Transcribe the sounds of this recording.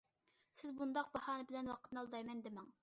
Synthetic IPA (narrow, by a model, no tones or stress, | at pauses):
sɪzbund̪ɑq̚bɑhɑːnɨbɪlɛnwɑqʰət̪nɑlˠd̪ɑjmɛnd̪ɪmɛŋ